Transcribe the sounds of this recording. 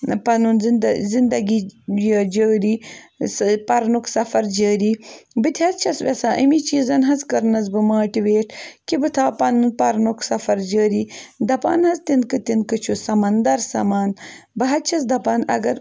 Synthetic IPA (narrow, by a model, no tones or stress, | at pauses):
pɐnunzzind̪ɐɡijəd͡ʒəːɾiːspɐɾnuksɐfɐɾd͡ʒəːɾiːbɨt̪ʰʲɐtt͡ʃʰɐsʋesaːʔɐ̰mit͡ʃiːzɐnɦɐzkɐɾnɐzbɨmaːʈiʋeːʈʰkibɨt̪ʰaːpɐnunpɐɾnuksɐfɐɾd͡ʒəːɾiːd̪ɐpa̰ːnhɐzt̪inkɨt̪inkɨt͡ʃʰusɐmɐnd̪ɐɾsɐmaːnbɐɦɐt̪t͡ʃʰɐsd̪ɐpaːnɐ̰ɡɐɾ